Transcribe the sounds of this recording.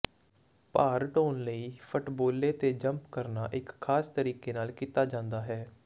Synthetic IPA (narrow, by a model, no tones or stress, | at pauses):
paːɾʈoːnləiːpʰʊʈboːleːt̪eːd͡ʒəmpkəɾna̰ːʔɪkʰːaːst̪əɾiːkeːnaːlkiːt̪aːd͡ʒãːnd̪aːɦɛː